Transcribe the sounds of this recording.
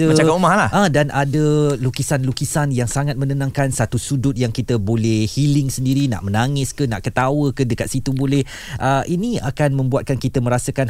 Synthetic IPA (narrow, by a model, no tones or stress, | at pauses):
ət͡ʃaaumahlahə̃danadəlukisanlukisanjaŋsaŋat̪̚mə̃nənãŋkansat̪usudʊt̪̚jaŋkit̪əbolɛhhilɪŋsəndiɾina̰ʔmənaŋɪskəna̰ʔkət̪awəkədəkat̪̚sit̪ubolɛh | ʔəʔinĩa̰kanmə̃mbuat̪̚kankit̪əmə̃ɾasəkan